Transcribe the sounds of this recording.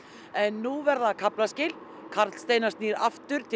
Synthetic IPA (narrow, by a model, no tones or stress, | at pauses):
ɛnːuvɛɾðakʰaplascɪːl | kʰaɾt̪st̪eːjnast̪niːɾa̰ft̪ʏɾ̥t̪ʰɪ